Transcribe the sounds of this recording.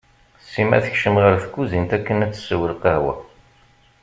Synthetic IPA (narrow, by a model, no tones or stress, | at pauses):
sːimæ̰θəçʃəmʁəɾθəkːuzint̪ækːənæt͡sːswəlqəhwæ̰